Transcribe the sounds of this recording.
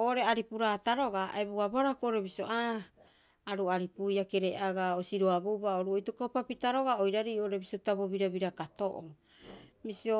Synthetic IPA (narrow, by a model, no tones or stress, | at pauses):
oʔɾeaɾipuɾataɾo̞ɡaa̰ebuabaɾakoʔoɾe̞βiso̞aː | ɾuaɾipujake̞ɾeaɡaosiɾoabubaoɾuojtokopapitaɾo̞ɡaojɾaɾiːo̞ʔoɾe̞bisotaboβiɾaβiɾakato̞ʔo̰ | misio